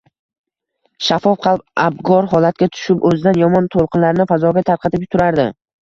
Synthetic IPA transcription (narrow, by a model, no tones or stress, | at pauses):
ʃafɒfqʰɑlˠpab̚ɡɒɾɦɒlat̪̚ɡʲat̪ʰʊ̥ʃɪpɵzɪd̪anjɒmɒnt̪ʰolˠqʰɨnlaɾɪnɪfazɒɡʲat̪ʰaɾqʰɑt̪ɪp̚t̪ʰʊɾaɾd̪ɪ̰